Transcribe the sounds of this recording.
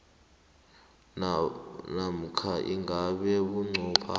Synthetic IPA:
nam̩kʰaʔiŋʱaɓɛɓuŋ͡ǀʱuːpʰa̰

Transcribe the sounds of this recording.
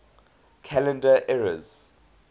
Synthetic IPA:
kʰalɛ̃ndəʔɛɹə̰z

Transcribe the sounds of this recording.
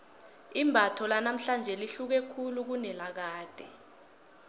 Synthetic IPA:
imbʱatʰɔlanam̩ɬand͡ʒʱɛliɬuk̬ɛkʰuluk̬unɛlak̬aːd̥ʱɛ

